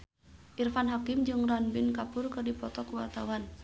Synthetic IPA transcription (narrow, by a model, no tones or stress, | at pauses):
ʔirfanɦakɪmd͡ʒɨŋranbɪnkapʊrkɨrdipɔt̪ɔkuwart̪awan